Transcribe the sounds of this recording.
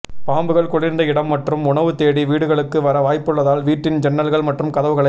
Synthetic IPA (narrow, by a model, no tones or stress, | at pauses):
paːmbɯɣɐɭkɔɭɪɾnd̪ɐɪɽɐmːɐʈrɯmʊɳɐʋɯt̪eːɽiʋiːɽɯɣɐɭɯkːɯʋɐɾɐʋaːjpːɯɭːɐðaːlʋiːʈːɪnd͡ʒɛnːɐlɣɐɭmɐʈrɯmkɐðɐʋɯɣɐɭɐ